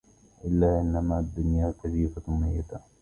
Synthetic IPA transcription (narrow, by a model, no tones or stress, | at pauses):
ʔɪlːaːʔɪnːamaːd̪ːʊnjaːk̪ad͡ʒiːfamajːɪd̪a